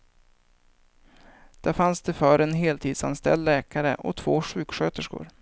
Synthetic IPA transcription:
d̪̥æɾfansd̪ɛfœːɾɛnɦeːlt̪ʰiːd̪sa̰nst̪ɛ̰ld̪lɛːkaɾə̰ʔɔ̰t̪ʰv̥oːɧʉ̟ːkɧøːt̪əʂkʊ̰ɾ

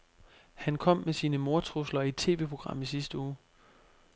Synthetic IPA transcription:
hænkʰɒ̽m̰mesiːnəmo̝ɐt͡sʰʁuslɐit͡sʰe̝̰ːʋe̝̰ːpʰʁo̝ɡ̥ʁɑ̈m̰isisd̥əuː

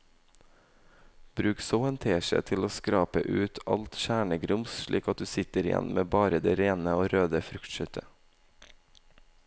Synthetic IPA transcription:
b̥ɾʉːksoːɛnt̪ʰeːʃə̰t̪ʰɪloːskɾɑːpəʔʉːt̪ʰɑ̰lt̪ʃæːɳəɡɾʊmsʃɭḭːkɑt̪̚d̪ʉːsɪt̪əɾɪjɛ̰nmeːbɑːɾəd̪eːɾeːnəoːɾøːd̪əfɾʉkt̪ʃœt̪ʰə

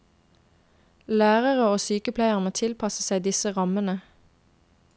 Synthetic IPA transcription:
læːʁəʁəoːsyːkəpʰlæɪəʁnət̪ʰɪlpʰɑsəsæɪd̪ɪsəʁɑmənə

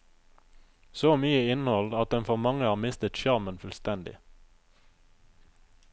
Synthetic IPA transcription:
soːmyːəɪnhɔld̪ɑt̪̚d̪ɛnfɔʁmɑŋəhɑːʁmɪst̪ət̪ʃɑʁmənfʉlst̪ɛnd̪ɪ̰

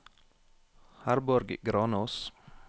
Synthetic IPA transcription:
haɾbɔɾɡɡɾɑːnoːs

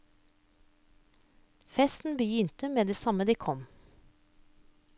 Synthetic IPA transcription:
fɛst̪n̩bəjʏnt̪əmeːd̪eːsɑməd̪iːkʰɔm

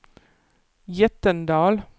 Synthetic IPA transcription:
jɛt̪ənd̪ɑːl

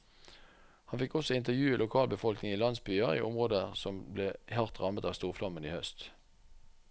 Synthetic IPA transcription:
hɑnfɪkːɔsɔɪnt̪əʁjʉːilʊkʰɑːlbəfɔlknɪŋiːlɑnsbyːəʁḭːʔʊmʁoːd̪əsɔmbleːhɑʁt̪ʁɑmət̪ɑːʋst̪uːʁflɑməniːhœst̪

